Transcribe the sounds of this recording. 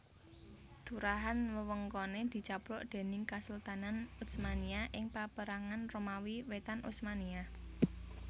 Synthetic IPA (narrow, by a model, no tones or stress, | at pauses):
d̪̥ṳɾaɦanwəwəŋkɔned̪̥i̤t͡ʃapɾʊʔd̪̥e̤nɪŋkasult̪ananusmaniaʔɪŋpapəɾaŋanromawiwet̪anʔṵsmania